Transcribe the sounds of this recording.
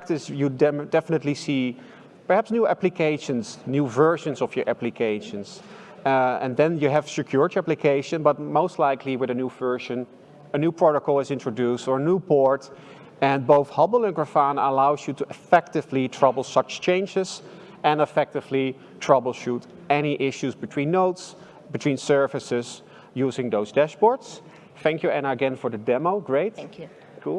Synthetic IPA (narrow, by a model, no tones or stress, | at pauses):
k̚tɪsjuddɛfənətˡlisi | pə˞hæpsnjuːæplɨkeɪʃə̃nznjuːvɜ˞ʃə̃nsɔfjə˞ʔæplikʰeɪʃə̃nz | ɛ̰̃nðɛ̃njuɨv̥sɨkʰj̥ʊɹtiæplikʰeɪʃə̃nbʌt̚moʊstˡlaɪkʰliwɨðɨnjuvɜ˞ʒə̃n | ənjupɹɔɾəkl̩ˠɪzɪ̃ntɹ̥ədustə˞ənjuːpɔɹt | ɨ̃nboʊθhʌbl̩ˠə̃nɡɹəfanəlaʊzjutuʔɨfɛk̚tɪvlitʰɹ̥ʌbl̩ˠsʌt͡ʃt͡ʃẽɪ̃nd͡ʒɪz | ɨ̃nəfɛk̚tɪvli | tʰɹ̥ʌbl̩ˠʃut | ɛniʔɪʃuzbɨtʰw̥ĩnːoʊts | bɨtʰw̥ĩːnsɜ˞vɨsɪz̥ | juːzɪ̃ŋdoʊzdɛʃpɔɹts | θæ̃ŋkjuɨ̃nəɡɛ̃nfɔ˞ðɨdɛmoʊɡɹeɪt | ku